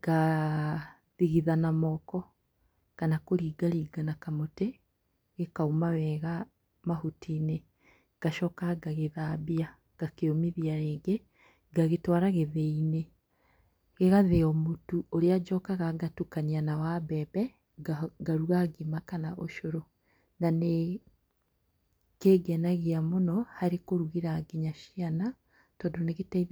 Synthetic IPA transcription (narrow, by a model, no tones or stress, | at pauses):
ɡa | ðiɣiðanamɔkɔ | kanakoɾiɡaɾiːɡanakamote | ɣekaumawɛɣa | mahutʰiːne | ɡ̥aʃɔkaɡaɣeðaːbia | ɡ̥akeomiðiaɾeːɡe | ɡaɣetwaɾaɣeðeine | ɣeɣaðeɔmotuoɾead͡ʒɔkaɣaɡatukanianawaβɛβɛ | ɡaɾuɣaɡimakanaʔoʃoɾo | nane | keːɡɛnaɣiamonɔhaɾekoɾuɣiɾaɡeɲaʃiana | tɔːndoneɣetaið